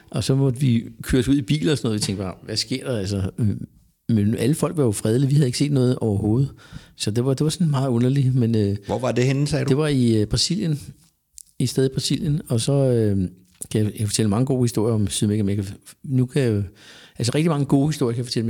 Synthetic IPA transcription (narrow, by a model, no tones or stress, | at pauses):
ʔɒ̽sɒ̽mɒ̽d̥ʋikʰøːɐsuðˠib̥ḭːln̩ɒsɒnɔːðˠʋit͡sʰeŋɡ̥b̥ɑʋæsɡ̥e̝ɐ̰d̥ɑ̈ælsɐø | menʔæləfɒ̽l̰ɡ̥ʋɑjo̝fʁɛð̞ˠliʋihæð̩ˠe̝ɡ̥se̝̰ːd̥nɔ̽ːð̞̩ˠʔɒʊɐho̝ːð̞̩ˠsɒ̽d̥e̝ʋɑ̈d̥e̝ʋɑ̈sɒ̽nmɑ̈ːð̩ˠɔ̽nɐlimenøʋɒʋɑd̥ehenn̩sɛːdd̥e̝ʋɑ̈ib̥ʁɑ̈sil̰jən | isd̥eðˠib̥ʁɑ̈sḭl̰jənɒ̽sɒ̽ø | kʰæjɑjkfɒ̽t͡sʰel̰əmɑ̈ŋəɡ̥o̝ːhisd̥o̝ɐ̰jɐɒ̽msyðˠmekæmejkʰænukʰæjʔælsəʁɛɡ̥̚d̥imɑ̈ŋəɡ̥o̝ːhisd̥o̝ɐjəkʰæjfɒ̽t͡sel̰m